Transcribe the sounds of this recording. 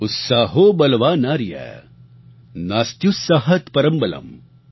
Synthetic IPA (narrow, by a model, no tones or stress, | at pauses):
ʊt̪saːɦobɐlʋaːnaːɾijɛ̰ | naːst̪jusːaɦɐt̪pɐɾɐmbɐlɐ̰m